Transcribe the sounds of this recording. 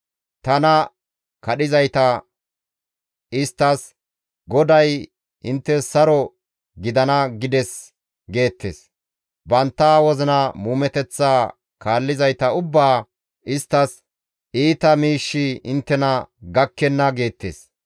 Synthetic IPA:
t̪ɐnɐ | kɐɗɪzɐjt̪ɐ | ɪst̪ːɐs | ɡɔd̪ɐj | ɪnt̪ːɛsɐɾɔ | ɡɪd̪ɐnɐɡɪd̪ɛs | ɡe̞ːt̪ːḛːs | bɐnt̪ːaːwɔzɪnɐmuːmɛt̪ɛt͡sːaː | kaːlːɪzɐjt̪ɐʊbːaː | ɪst̪ːɐs | iːt̪ɐmiːʃːɪɪnt̪ːɛnɐɡɐkːɛnːɐɡe̞ːt̪ːḛːs

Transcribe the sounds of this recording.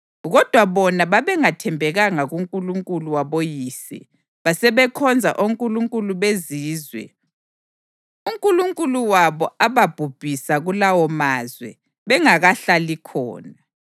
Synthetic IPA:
ɣɔd̥ʱwaβɔnaβaβɛŋatʰɛmbʱɛɣaŋaɣuŋkʼuluŋkʼuluwaβojiːsḭ | βasɛβɛkʰɔnd͡zʱa̰ʔoŋkʼuluŋkʼuluβeziːzwɛ̰ | uŋkʼuluŋkʼuluwaβɔaβab̥ʱub̥ʱisaɣulawɔmaːzwɛ̰ | βɛŋaɣaɬalikʰɔ̰ːna

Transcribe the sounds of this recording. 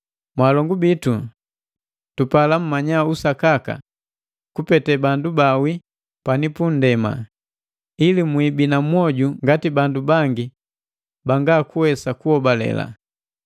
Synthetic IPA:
mwaːlɔŋɡubitu | tupalam̩mːaɲausakaka̰ | kupɛtɛbandubawi | panipun̩dɛma̰ | ilimwibinamwɔɟuŋɡatibandubaŋɡi | baŋɡaːkuwɛsakuhɔbalɛ̰la̰

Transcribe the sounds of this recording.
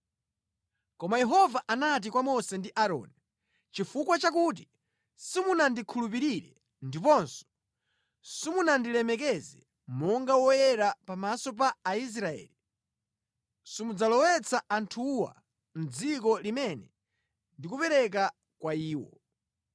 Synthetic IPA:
kɔmajɛɦɔvaʔanat̬ikwamɔsɛndiʔaɾɔ̰ːni | t͡ʃifukwat͡ʃak̬ut̬i | simunandikʰulup̬iɾiɾɛ | ndipɔnsɔ̥ | simunandilɛmɛkɛzɛ | mɔŋɡawɔjɛɾapamasɔp̬aːis̬ɾaɛ̰ːli | simud͡zalɔwɛt͡saantʰuwa̰ | m̩d͡zikɔlimɛnɛ | ndikupɛɾɛk̬a | kwaiːwɔ

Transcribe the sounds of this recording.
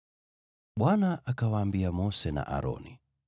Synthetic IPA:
ɓwanaʔakawaːmbiamɔsɛna̰ʔa̰ɾɔ̰ni

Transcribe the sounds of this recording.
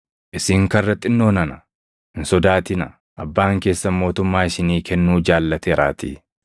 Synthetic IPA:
ʔɪsɪŋkɐrːɐt̪ʼːɪnːo̞ːnɐnɐ | ɪnsɔd̪aːt̪ɪnɐ | ʔɐbːaːŋke̞ːsːɐmo̞ːt̪ʊmːaːɪsɪniːkɛnːuːd͡ʒaːlːɐt̪eːɾa̰ːt̪ɪ̰

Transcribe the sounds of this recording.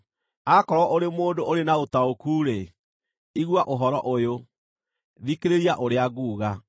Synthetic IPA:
akɔɾwɔʔoɾemoːndoʔoɾenaotaokuːɾe | iɣwaʔoɦɔɾɔʔojo | ðikeɾeɾiaʔoɾeaɣuːɣa

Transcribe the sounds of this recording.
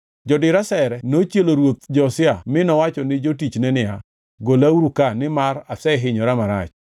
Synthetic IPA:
d͡ʒɔdɪɾasɛɾɛnot͡ʃjeloɾwot̪̚d͡ʒɔsɪamɪnɔwat͡ʃɔnɪd͡ʒotit͡ʃnɛnɪa | ɡolauɾukanɪmaɾasɛɦɪɲɔɾamaɾat͡ʃ

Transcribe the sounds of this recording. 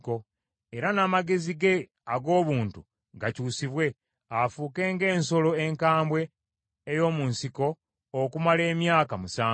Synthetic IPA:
ko̞ | e̞ɾanaːmaɡe̞ziɡe̞ | aɡo̞ːβuːntu | ɡacuːsiβwe̞ | afuːke̞ːŋɡe̞ːnso̞lo̞eŋkaːmbwe̞ː | jo̞ːmuːnsiko̞ː | kumale̞ːmjaːkamusaː

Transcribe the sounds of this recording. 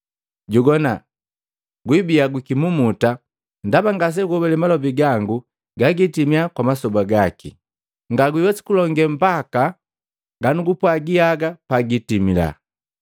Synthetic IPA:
ɟuɡɔna̰ | ɡwibiaɡwikimumuta | ndabaŋɡas̬ɛɡɔbɛlɛmalɔbiɡaŋɡu | ɡaɡitimiakwamasɔbaɡakḭ | ŋɡaɡiwɛsi̥kulɔŋɡɛm̩baka | ɡanuɡupwaɡiaɡapaɡitimila̰

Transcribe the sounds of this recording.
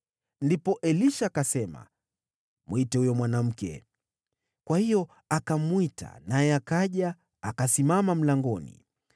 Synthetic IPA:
ndipɔʔɛliʃakasɛma̰ | muitɛhujɔmwanam̩kɛ̰ | kwahijɔ | akamwita̰najɛakaʄa | akasimamam̩laŋɡɔnḭ

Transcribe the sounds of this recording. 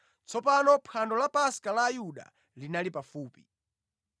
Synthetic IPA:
t͡sʰɔpanɔpʰandɔlapaskalaːjuɗa̰ | linalipafuːpi̥

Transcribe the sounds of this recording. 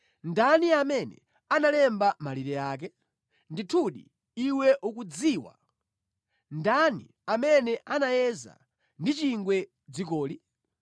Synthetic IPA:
ndaniamɛnɛ̰ | analɛmbamaliɾɛjaːk̬ɛ | nditʰuɗi | iwɛʔukud͡ziːwa̰ | ndanḭ | amɛnɛʔanajɛza̰ | ndit͡ʃiŋɡwɛ | d͡zik̬ɔːli

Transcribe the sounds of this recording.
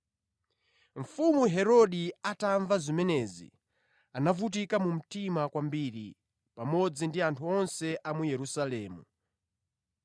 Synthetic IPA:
ɱ̩fumuɦɛɾɔɗiataɱvazimɛnɛzḭ | anavut̬ikamum̩timakwambiɾi | pamɔd͡zindiantʰuɔnsɛʔamujɛɾusalɛːmu

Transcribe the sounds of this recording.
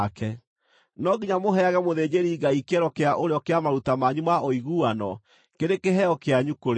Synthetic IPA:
kɛ | nɔɡiɲamoɦɛaɣɛmoðed͡ʑeɾiːɡaikɛɾɔkeaʔoɾeɔkeamaɾutamaɲumaʔoiɣuanɔ | keɾekeɦɛɔkeaɲukoɾ

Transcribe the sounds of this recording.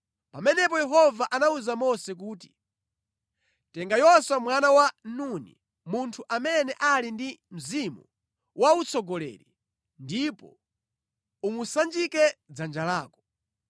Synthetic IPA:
pamɛnɛp̬ɔjɛɦɔvaʔanauzamɔsɛk̬uːt̬i̥ | tɛŋɡajɔswamwanawanunḭ | muntʰuʔamɛnɛʔalindim̩zimṵ | wʔaut͡sɔɡɔlɛ̰ːɾi | ndipɔ̰ | umusand͡ʒikɛd͡zand͡ʒalaːkɔ̥

